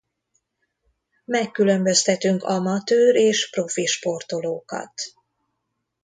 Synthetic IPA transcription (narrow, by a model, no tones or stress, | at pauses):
mɛkːylø̞mbø̞st̪ɛt̪yŋkɒmɒt̪øːɾeːʃpro̞fiʃpo̞rt̪o̞loːkɒ̰t̪